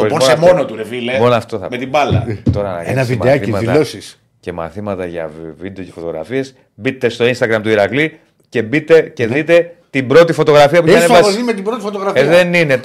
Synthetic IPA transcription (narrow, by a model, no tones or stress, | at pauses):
opooɐmonot̪uɾevilemonoɐft̪o̞θɐ̰met̪ibɐlɐ̰t̪o̞ɾɐnɐ̰keɐnɐvitmɐθimɐit̪ɐlosis | ce̞mɐ̰θimɐt̪ɐʝɐ̰vvid̪eo̞cefot̪oɣɾɐ̰fie̞s | bit̪ːe̞st̪o̞inst̪ɐɣɾɐmt̪uiɾɐkli | ce̞bit̪e̞ceðit̪e̞t̪ibɾo̞t̪ifo̞t̪o̞ɣɾɐfiɐpuɐneɐsoimet̪ibɾo̞t̪ifot̪oɣɾɐfiðenine